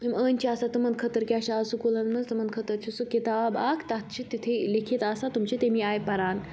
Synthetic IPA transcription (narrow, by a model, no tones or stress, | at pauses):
imənʲt͡ɕʰiasat̪umɐnd̪̚kʰət̪əɾkʲaɕaːsukulɐnmɐnzt̪umɐnd̪̚kʰət̪əɾt͡ɕʰisukit̪aːbakʰt̪at̪̚ʰt͡ʃʰit̪ːit̪ʰelikʰit̪asat̪umt͡ɕit̪emiaːjpɐɾaːn